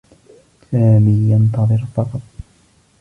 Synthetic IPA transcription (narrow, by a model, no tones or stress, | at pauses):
saːmiːjɑnt̪ɑðˤɨɾfɑqɑt̪̚ˤ